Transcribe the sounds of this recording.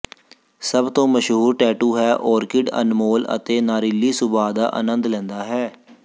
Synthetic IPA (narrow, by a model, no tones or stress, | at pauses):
səbt̪õːməʃɦuːɾʈɛːʈuːɦɛːʔɔːɾkɪɖə̰nmoːlə̰t̪eːnaːɾɪlːiːsʊbaːd̪a̰ːʔə̰nənd̪lɛ̃ːnd̪aːɦɛː